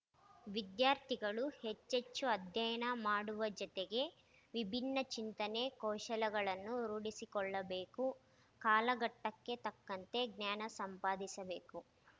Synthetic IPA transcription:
ʋid̪jaːɾt̪ʰiɡɐɭuhet͡ʃːet͡ʃːuɐd̪ʱjɐjɐnɐmaːɽuʋɐd͡ʒɔt̪eɡe̞ | ʋibʱinːɐt͡ʃint̪ɐne̞kɔːʃɐlɐɡɐɭɐnːuɾuːɽisikɔɭːɐbeːku | kaːlɐɡɐʈːɐkːe̞t̪ɐkːɐnt̪e̞ɡnjaːnɐsɐmpaːd̪isɐbe̞ːku

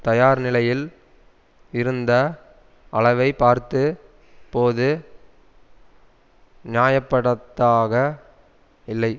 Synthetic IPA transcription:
t̪ɐjaːɾnɪlɐjɪl | ɪɾɯnd̪ɐ | ʔɐɭɐʋɐɪpaːɾt̪ɯ | poːðɯ | nɪjaːjɐpːɐɽɐt̪ːaːɣɐ | ɪlːɐɪ

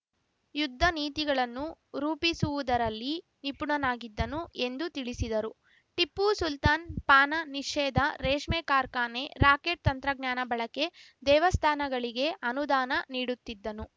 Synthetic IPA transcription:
jud̪ʱːɐniːt̪iɡɐɭɐnːuɾuːpisuʋud̪ɐɾɐlːi | nipuɳɐnaːɡid̪ːɐnue̞nd̪ut̪iɭisid̪ɐɾu | ʈipːusult̪aːnpaːnɐniʂɛːd̪ɐɾeːʂmeːkaːɾkaːne̞ɾaːkeʈ̚t̪ɐnt̪ɾɐɡɲaːnɐbɐɭɐke̞ | d̪ɛːʋɐst̪ʰaːnɐɡɐɭiɡe̞ɐnud̪aːnɐniːɽut̪ːid̪ːɐnu

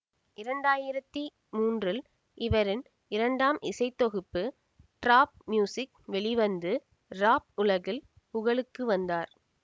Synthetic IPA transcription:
ɪɾɐɳɖaːjɪɾɐt̪ːi | muːndrɪl | ɪʋɐɾɪn | ɪɾɐɳɖaːmʔɪsɐɪt̪ːɔɣɯpːɯ | ʈɾaːp̚mjuːsɪk̚ | ʋɛɭɪʋɐnd̪ɯ | ɾaːp̚ʊlɐɣɪl | pʊɣɐɭɯkːɯʋɐnd̪aːɾ

